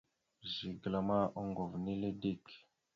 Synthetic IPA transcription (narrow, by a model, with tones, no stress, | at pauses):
zi˨ɡla˨ma˦ʔo˦ŋɡo˨vni˦le˦di˦˨k